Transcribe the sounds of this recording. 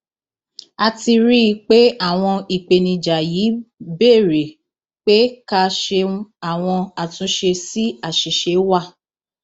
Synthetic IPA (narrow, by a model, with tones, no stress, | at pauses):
a˧ti˧ɾi˦˧k͡pe˦a˦˨w̃ɔ̃˧i˨k͡pe˨nĩ˧d͡ʒa˨ji˨˦beː˦˨ɾe˨ | k͡pe˦ka˧˦ʃe˧˦a˦˨w̃ɔ̃˧a˨tũ˧˦ʃe˧si˦a˦˨ʃi˨ʃe˨˦wa˦˨